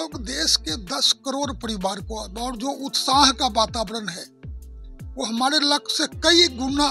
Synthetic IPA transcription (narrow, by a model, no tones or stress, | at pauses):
oːɡd̪eːʃked̪ɐskəɾoːɾpɐɾɪʋaːɾkoɔːɾd͡ʒoːʔʊt̪saːɦkabaːt̪aːbɾənɦɛː | ʋoːɦɐmaːɾelɐkʰsekɐiɡʊna